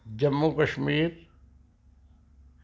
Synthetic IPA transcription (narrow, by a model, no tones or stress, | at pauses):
d͡ʒɐmːukɐʃmiːɾ